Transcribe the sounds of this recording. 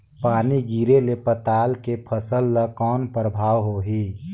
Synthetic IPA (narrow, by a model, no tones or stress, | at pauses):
paːniɡiːɾelepət̪aːlkepʰəsəlːəkɔːnpɾəbʱaːwɦoɦiː